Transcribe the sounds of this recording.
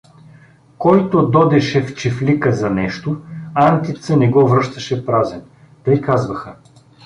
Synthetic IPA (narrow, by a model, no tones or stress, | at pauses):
kɔjt̪od̪ɔd̪ɛʃɛft͡ʃiflikəzɐnɛʃt̪oant̪it̪sənɛɡɔvɾɤʃt̪əʃɛpɾazɛn | t̪ɤjkazvɐxə